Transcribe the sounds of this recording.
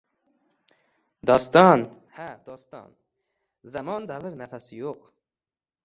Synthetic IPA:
d̪ɑːst̪ɑn | hæd̪ɔːst̪ɑ̰ːn | zamɔnd̪avəɾnafasjoq

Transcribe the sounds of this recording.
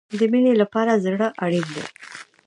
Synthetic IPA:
d̪əminelapɑɾazɽəʔaɽind̪ḛ

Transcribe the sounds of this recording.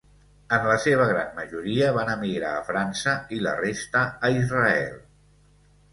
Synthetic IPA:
ənləseβ̞əɣ̞ɾanməʒuɾiəβanəmiɣɾaːfɾansəilə̰rest̪əːizrəɛ̰lˠ

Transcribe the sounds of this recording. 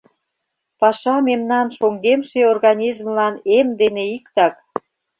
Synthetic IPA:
pɑʃɑmemnɑnʃoŋɡemʃeorɣɑnʲizmlɑnemd̪eneikt̪ɑk

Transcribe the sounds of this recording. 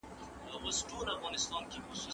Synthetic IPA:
əɣʊsʈoɾafɣɑnɪst̪ɑnkexʊsu

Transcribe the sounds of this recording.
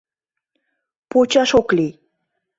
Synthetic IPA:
pot͡ʃaʃokli

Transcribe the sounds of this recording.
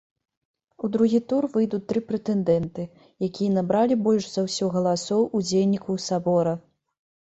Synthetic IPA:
ud̪ɾuɣʲit̪urvɨjd̪ut͡sʲt̪ɾɨpɾɛt̪ɛnd̪ɛnt̪ɨ | jakʲijɐnabɾalʲibɔlʲʂzɐwsʲɔɣɐlˠasɔwʔud͡zʲejʲnʲikuwsabɔɾɐ

